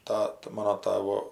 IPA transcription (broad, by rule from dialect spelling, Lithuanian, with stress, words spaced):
ˈtɑːtɐ ˈmɑːnoː ˈtɑːʋoː